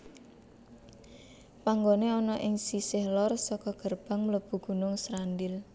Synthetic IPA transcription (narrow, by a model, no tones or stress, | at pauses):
paŋɡoneɔnɔʔɪŋsisɪhlɔrsɔkɔɡ̥ərb̥a̤ŋmələb̥ṳɡ̥ṳnʊŋsɾandɪl